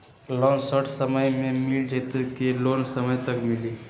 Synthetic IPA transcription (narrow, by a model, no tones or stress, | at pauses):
loːnsəʈʰsəməjmẽmɪld͡ʒet̪əkeloːnsəməjt̪ɐkmɪliː